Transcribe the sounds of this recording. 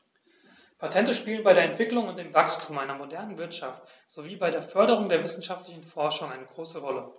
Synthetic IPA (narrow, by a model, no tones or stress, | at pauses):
pʰatʰɛntəʃpiːlənbaɪɾeɐɛntv̥ɪklʊŋʊnt̚d̥eːmvakstʰumʔaɪnɐmodɛɐnənvɪɐtʃaft | z̥oviːbaɪɾeːɐfœɐɾəʁ̞ʊŋdeːɐvɪsn̩ʃaftlɪçn̩fɔɐʃʊŋʔaɪnəɡʁoːsəʁɔlə